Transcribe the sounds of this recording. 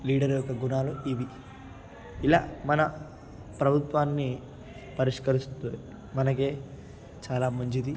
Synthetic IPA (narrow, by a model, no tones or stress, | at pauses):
liːɖɐɾjɔkːɐɡunaːluʔiʋi | ila̰ːmɐnɐ | pɾɐbʱut̪ʋaːnːi | pɐɾiʂkɐɾist̪oi | mɐnɐk̬e̞ː | t͡ʃaːlaːmɐɲt͡ʃid̪i